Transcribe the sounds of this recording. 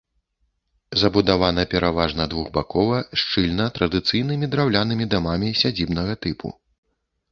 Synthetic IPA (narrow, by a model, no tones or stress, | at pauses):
zɐbud̪avan̪ɐpʲɛɾʔavaʐnɐd̪vuɣbakɔvɐʂt͡ʂɨlʲnɐt̪ɾɐd̪ɨt̪sɨjnɨmʲid̪ɾawlʲanɨmʲid̪amamʲisʲad͡zʲibnɐɣɐt̪ɨpʰṵ